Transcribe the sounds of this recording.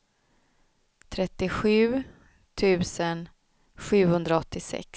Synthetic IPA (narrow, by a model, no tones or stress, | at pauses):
t̪ʰɾɛt̪ːɪɧʉ̟ː | t̪ʰʉ̟ːsən | ɧʉ̟ːhɵnd̪ɾaɔt̪ːɪsɛ̰ks